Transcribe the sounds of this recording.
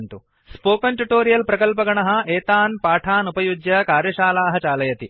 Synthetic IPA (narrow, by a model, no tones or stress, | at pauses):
nt̪u | spoːkɐnʈuʈoːɾijɐlpɾɐkɐlpɐɡɐɳɐɦɐ̆eːt̪aːnpaːʈʰaːnupɐjud͡ʒjɐkaːɾjɐʃaːlaːɦɐt͡ʃaːlɐjɐt̪i